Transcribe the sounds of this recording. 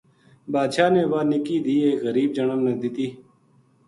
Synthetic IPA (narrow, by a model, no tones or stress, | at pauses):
baːd̪ʃaːnẽːʋaːnɪkiːd̪iːeːkɣəɾiːbd͡ʒəɳəmneːd̪ɪt̪iː